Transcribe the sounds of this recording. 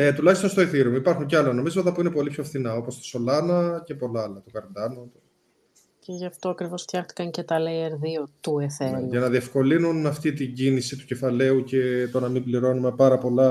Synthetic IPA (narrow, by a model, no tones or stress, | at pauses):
et̪ulɐçist̪onst̪oeθiɾomipɐɾxuɲceɐlono̞mizot̪ɐpuine̞po̞lipço̞fθinɐo̞po̞st̪o̥so̞lɐnɐce̞po̞lɐɐlɐt̪okɐɾnd̪ɐnt̪o | ceʝɐft̪o̞ɐkɾivo̞sft̪çɐxt̪i̥kɐɲcet̪ɐlejeɾðiot̪ueθeʝɐnɐðie̞fko̞linunɐft̪it̪iɲɟinisit̪u̥ce̞fɐle̞uce̞t̪o̞nɐmibliɾo̞nume̞pɐɾɐpo̞lɐ